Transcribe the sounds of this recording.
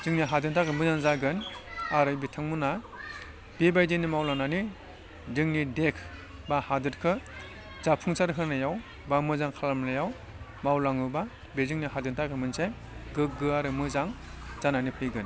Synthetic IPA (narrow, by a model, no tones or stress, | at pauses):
zɯŋniɦadɯntʰakʰɯmɯzaŋzaɡɯnaɾɯjbitʰaŋmuna | b̥ibajzinimawlaŋnani | zɯŋnidekʰ | bahadɯɾkʰɯ | zapʰuŋsaɾɯɦɯɾnajaw | bamɯzaŋkʰalamnajaw | mawlaŋɯba | bezɯŋniɦadɯntʰakʰɯmɯnsej | ɡɯk̚ɡɯaɾɯmɯzaŋ | z̥ananipʰɯjɡɯn